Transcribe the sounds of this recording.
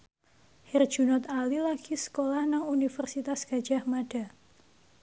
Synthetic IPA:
hir̥ʒ̥unɔt̪alilaɡ̥isə̥kolahnaŋunifərsit̪asɡ̥ad̥ʒ̥ahmad̥a

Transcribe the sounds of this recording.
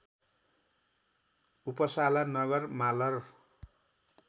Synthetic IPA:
upʌsalanʌɡʌrmalʌr

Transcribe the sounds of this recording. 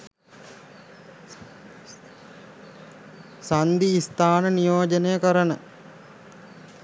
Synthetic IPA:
sand̪iːst̪aːnənijoːd͡ʒənejəkəɾənə

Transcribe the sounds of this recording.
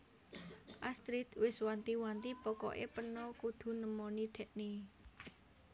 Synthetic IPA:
ʔast̪ɾit̪wɪswant̪iwant̪ipɔkɔ̰ʔḛpənɔkud̪̥ṳnəmɔniɖ̪̥ɛ̤ʔne

